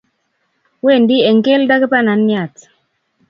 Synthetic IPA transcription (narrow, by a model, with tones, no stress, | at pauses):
we˦˨ndi˦ɛ˨ŋke˦lda˦ke˦pa˦na˨nja˨t